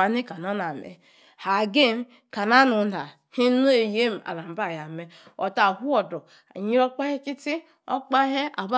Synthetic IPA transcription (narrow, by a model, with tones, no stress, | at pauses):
a˨ni˦ka˨no˦na˨mḛ˨ | ha˨ɡe˦˨m˦ | ka˨na˦nu˨na˨ | hi˦nu˦e˨je˦m̩˨a̰˨la˨m̩˨ba˦˨ja˨me˨˦o̰˨ta˨ɦu˦o˨do˨ | a̰˨ɲi˦ɾo˦k͡pa˦he˦ki˦ti˦ | o̰˦k͡pa˦ɦe˦a̰˨ba˦